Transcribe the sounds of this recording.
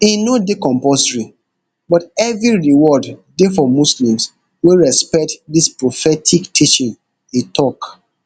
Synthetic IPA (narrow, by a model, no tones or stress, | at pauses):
inodekɔ̃mpɔstɹi | bɔtɛvɹiɹiwɔddefɔmuslĩms | weɹɛspɛk̚tdispɹofɛtʰiktʰit͡ʃĩn | itʰɔk